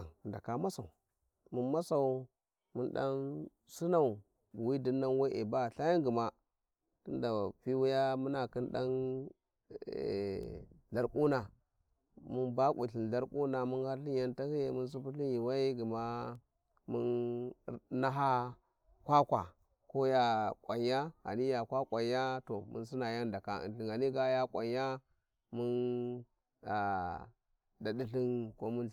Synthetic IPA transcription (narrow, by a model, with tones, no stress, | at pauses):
nda̰˨ka˨ma˦sa˨u˨ | mu˦nma˦sa˨u˨ | mu˦nɗa̰˦n | si˦na˦˨u˨ | bwi˦di˦nːa˦nwa˦ʔḛ˨ba˦˨ɬa˦ja˦ŋɡi˨ma˦ | ti˦nda˨fi˦wu˦ja˦mu˦na˨ki˦nɗa̰˦n˨ | ɮa˨ɾkʼu˦na˨ | mu˦nba˦kʷṵ˨ɬi˨n˨ɮa˦ɾku˦na˨mu˦ha˦ɾɬi˦n˦ja˦nta˦ki˦je˨mu˦ns̬u˦pu˦ɬi˦ji˨wa˦i˦ɡi˨ma˦ | mṵ˦n | na˦ɦa˦ | kʷa˦kʷa̰˨ | ko˦ja˦kʷwa˨ɲja˦a̰˨ni˦ja˨kʷa˦kʷʼa˨ɲja˦to˨mṵ˦n˦si˦na˨ja˦nda˨ka˦ḭ˨nɬi˨ŋa˨ni˦ɡa˦ja˦kʷʼa̰˨ɲja˦ | mu˦n | a˨ | da˨di˦ɬi˦nko˦mu˦n